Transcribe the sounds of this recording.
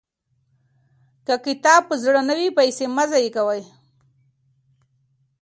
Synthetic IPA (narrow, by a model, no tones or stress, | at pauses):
kakɪt̪ɑb̚pəzɽənəwipajsemazajekawaj